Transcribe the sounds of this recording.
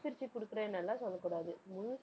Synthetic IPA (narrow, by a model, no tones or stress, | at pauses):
p̪ɪɾt͡ʃːikʊɽɯkːɯɾɐ̃nɐlːãːsɔlːɐkːuːɽaːðɯmʊn